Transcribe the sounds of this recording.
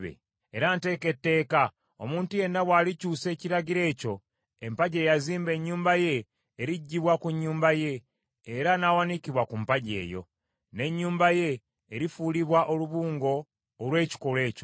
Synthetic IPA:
βḛ | eɾante̞ːke̞tːe̞ːka | omuːntuje̞nːaβwaːlicuːse̞ːciɾaɡiɾe̞ːco̞ | empaɟe̞ːjaziːmbe̞ɲːuːmbaje̞ː | ɾiɟːiβwakuɲːuːmbaje̞ː | ɾanawanikiβwakumpaɟe̞̰ːjo̞̰ | ne̞ɲːuːmbaje̞ː | ɾifuːliβwaʔoluβuːŋɡo̞ː | lwe̞ːci̥ko̞le̞ːco

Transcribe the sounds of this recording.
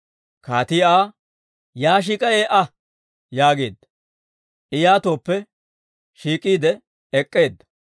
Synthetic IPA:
kaːt̪ɪjaː | jaːʃ̬iːkʼɐjeːʔɐ | jaːɡe̞ːd̪ːɐ | ʔɪjaːt̪o̞ːpːɛ | ʃiːkʼiːd̪ɛ | ɛkʼːe̞ːd̪ːɐ̥

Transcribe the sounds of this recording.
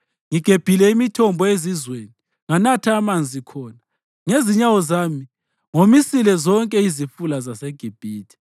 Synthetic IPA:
ŋiɡ̥ʱeb̥ʱilɛimitʰɔmbʱɔezizweːni | ŋanatʰaːmand͡zʱikʰɔːna | ŋeziɲawɔzaːmi | ŋomisilɛzɔŋkʼɛizifulazaseɡ̥ʱib̥ʱiːtʰi̥

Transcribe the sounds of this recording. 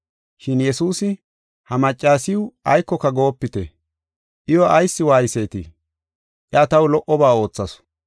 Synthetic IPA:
ʃɪnjɛsuːsɪ | hɐmɐt͡ʃʼːaːsɪʊɐjkːɔkːɐɡo̞ːpːɪt̪ɛ̰ | ʔɪjwɔɐjsːɪwaːjɪsejt̪ɪ̰ | ʔɛɐt̪ɐwlɔʔɔbaːo̞ːt͡sːɐs

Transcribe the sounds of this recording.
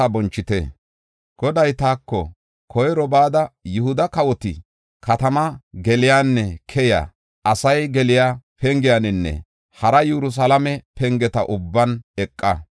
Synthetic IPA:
ɐbɔnt͡ʃːɪt̪ɛ | ɡ̥ɔd̪ɐjt̪aːkːɔ̰ | kʰɔjɾɔbaːd̪ɐjʊhʊd̪ɐkɐwɔt̪ɪ | kɐt̪ɐmɐɡɛlɪjaːnːɛkʰɛja̰ | ɐsɐjɡɛlɪjaːpʰɛŋɡɪjanɪnːɛ̰ | hɐɾɐjɛɾʊs̬ɐlɐmɛpɛŋɡɛt̪ɐʔʊbːɐnɛkʼːɐ

